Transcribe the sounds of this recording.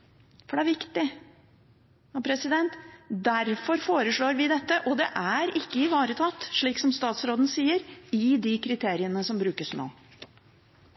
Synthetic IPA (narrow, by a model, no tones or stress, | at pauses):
fɔɖɛæɾʋɪkt̪ɪ | hɑpʰɾɛsɪd̪ɛnt̪d̪æɾfɔɾfoːɾəʂɭoːɾʋɪd̪ɛt̪ːəʔɔd̪ɛʔæɾɪkːəɪʋɑːɾət̪ʰɑt̪ːʂɭiːksɔmst̪ɑːt̪sɾoːd̪n̩siːəɾɪd̪ɪkʰɾɪt̪ʰeːɾɪənəsɔmbɾʉːkəsno̰ː